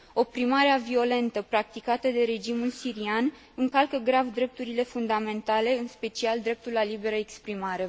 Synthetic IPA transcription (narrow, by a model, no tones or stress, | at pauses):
o̞pɾimaɾeavio̞le̞nt̪əpɾak̚t̪ikat̪əd̪e̞ɾe̞d͡ʒimulsiɾian | ɨŋkalkəɡɾavd̪ɾe̞p̚t̪uɾile̞fund̪ame̞nt̪ale̞ɨnspe̞t͡ʃiald̪ɾe̞p̚t̪ulːalibe̞ɾəekspɾimaɾe̞